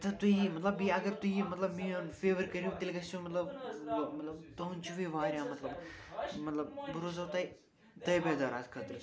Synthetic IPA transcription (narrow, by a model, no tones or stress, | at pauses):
t̪ɐt̪uimɐt̪lɐbiɐɡəɾt̪ujimɐt̪lɐbmiõnfeːʋəɾkɐɾiut̪ɪlkɐst͡ʃʰumɐt̪lɐbmɐt̪lɐbt̪oːnt͡ʃʰuʋiʋaːɾʲjãːmɐt̪lɐbmɐt̪lɐbbuɾozɐːt̪ɐj | t̪ɐjbeːd̪aːɾaːt̪kʰət̪ɾ